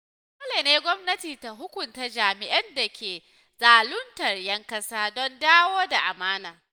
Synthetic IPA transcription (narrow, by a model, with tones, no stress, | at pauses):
koː˦leː˨neː˦ɡʷɔ˦mnɐ˦tiː˨ta˨ɦʊ˦kʷʊ˨nta˦d͡ʒaː˨mɪ˨ʔɐ˦nda˨kʲʰeː˨ | zaː˨lʊ˦ntɐ˨rjɐ˦ŋkɐ˦saː˦dɔ˦ndaː˦woː˦da˨ʔa˨maː˦naː˨